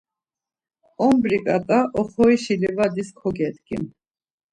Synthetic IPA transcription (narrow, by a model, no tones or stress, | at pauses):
ɔmbɾikʼat̪ʼaʔɔχɔiʃilivad̪iskʰɔɡɛt̪ɡḭm